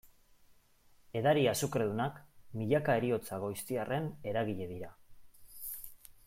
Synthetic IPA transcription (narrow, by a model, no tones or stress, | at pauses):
e̞ðaɾiasukɾe̞ðunakmiʎakaeɾio̞t͡saɣo̞jst̪iare̞ne̞ɾaɣiʎe̞ð̞iɾa